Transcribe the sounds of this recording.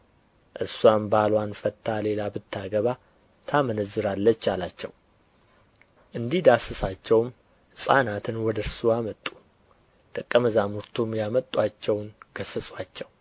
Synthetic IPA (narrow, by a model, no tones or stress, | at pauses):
ʔɨɾsuambalwanfət̪ʰːale̞labɨt̪ʰːaɡəβa | t̪ʰamənəzːɨɾalːət͡ʃːalat͡ʃːɛ̰w | ʔɨnd̪ihd̪asɨsat͡ʃːɛwm | hɨsʼanat̪ʰɨnwɔd̪əɾsuamət̪ʼːu̥ | d̪̥əkʼːəməzamuɾt̪ʰumjamət̪ʼːwat͡ʃːɛwnɡ̥əsəsʼwat͡ʃːɛw